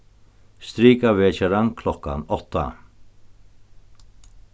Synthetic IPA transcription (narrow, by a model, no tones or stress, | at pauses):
st̪ɾiːkavɛːt͡ʃɛɾankʰlɔkːa̰nɔht̪ːa̰